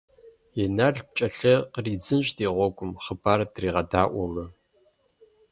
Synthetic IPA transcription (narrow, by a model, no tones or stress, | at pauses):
jɛnaɮp̚t͡ʃʼɐɬɐqəriːd͡zɨnɕʼdeːʁʷɔɡʷʼʊmχəbaːrdriːʁɐdaːʔʷɔmɐ